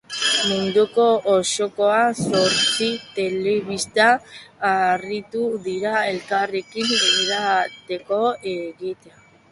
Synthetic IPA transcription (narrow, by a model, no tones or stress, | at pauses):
mund̪uko̞ːʃo̞ko̞aso̞ɾt͡sit̪e̞le̞βist̪aː | rit̪uðiɾae̞lkare̞kimbeliɾat̪e̞ko̞eɣit̪ea